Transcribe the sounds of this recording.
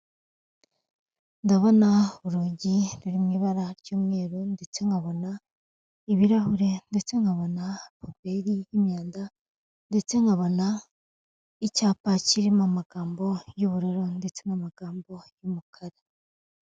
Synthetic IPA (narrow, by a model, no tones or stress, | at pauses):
ndaβonauɾuːɟiɾuɾimŋiːβaɾaɾɟuːmŋe̞ːɾunde̞t͡se̞ŋɡaβo̞na | iβiɾahuɾe̞nde̞t͡se̞ŋɡaβo̞napope̞ɾijimjaːnda | nde̞t͡se̞ŋɡaβo̞na | icaːpaciɾimamaɡ̥aːmbo̞juβuɾoɾonde̞t͡se̞ŋamaɡ̥aːmbo̞jumukʰaɾa